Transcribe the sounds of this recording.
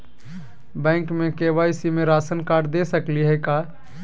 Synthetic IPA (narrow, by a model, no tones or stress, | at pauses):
bɛ̃ːŋkmẽkeʋaːisimẽɾaːsənkaːɾd̪esəkliɦɛka